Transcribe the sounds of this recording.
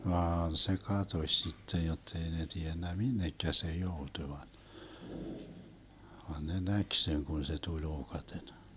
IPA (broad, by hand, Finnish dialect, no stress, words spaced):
ʋɑːn se kɑtosʲ sitːej jotːei ne tienːæ minːekːæ se joutuĭ ʋɑn ʋɑn ne næk seŋ kun se tulʲ oːkɑten